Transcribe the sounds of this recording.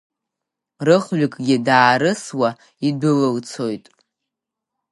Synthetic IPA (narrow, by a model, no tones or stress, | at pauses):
rɨχɥakʼɡʲɪdaːɾɨswa | idʊlɨlt͡sʰo̞jtʼ